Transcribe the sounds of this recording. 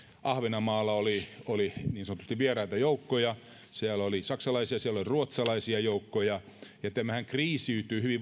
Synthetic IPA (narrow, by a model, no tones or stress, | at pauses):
ʔɑhʋenɑmɑːlːɑolioliniːnsɑnot̪ust̪iʋʋierɑit̪ɑjoukːojɑ | siælolisɑksɑlɑisiɑsiæloliruot̪sɑlɑisiɑjoukːojɑ | jɑt̪æmæhæŋkriːsiyt̪yːhyʋiʋ